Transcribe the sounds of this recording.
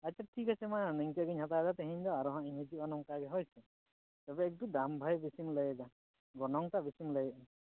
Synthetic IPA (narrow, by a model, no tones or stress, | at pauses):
at͡ʃaʈʰikasɛmaanɛɲkaʔɡiɲɦat̪adat̪ɛɦɛɲd̪ɔaɾɔɦãʔiɲɦɛd͡ʒianɔŋkaɡɛɦɔjsɛ | t̪abɛːk̚tud̪ambʱajbisimləjɛd̪a | ɡɔnɔŋt̪aʔbisimləjɛʔ